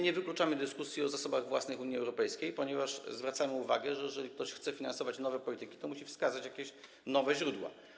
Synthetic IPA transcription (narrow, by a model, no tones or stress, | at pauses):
ɲɛvɘklut͡ʂamɘd̪ɘskusʲjiɔzasɔbaɣvwasnɘxuɲiɛwɾɔpɛjskʲejpɔɲɛvaʂzvɾat̪samɘuva̰ɡɛʐɛjɛʐɛlʲik̚t̪ɔɕxt̪sɛfʲinansɔvat͡ɕnɔvɛpɔlʲit̪ɘkʲi̥t̪ɔmuɕifskazat͡ɕjakʲeɕ | nɔvɛʑɾud̪wa̰